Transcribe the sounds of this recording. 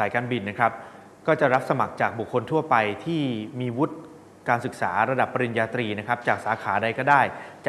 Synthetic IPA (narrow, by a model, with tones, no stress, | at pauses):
saː˩˦jkaː˧nbi˧nːa˦˥kʰɾa˦˥p̚ | kɔː˥˩t͡ɕa˨˩ɾa˦˥p̚sa˧ma˨˩k̚t͡ɕaː˨˩k̚bu˨˩kʰːo˧nt̪ʰu˥˩ɐpa˧jt̪ʰiː˥˩miː˧wu˦˥t̪̚ | kaː˧nsɯ˨˩k̚saː˩˦ɾa˧da˨˩pːa˧ɾi˧njaː˧t̪ɾiː˧na˦˥kʰɾa˦˥p̚t͡ɕaː˨˩k̚saː˩˦kʰaː˩˦da˧jkɔː˥˩daː˥˩jt͡ɕ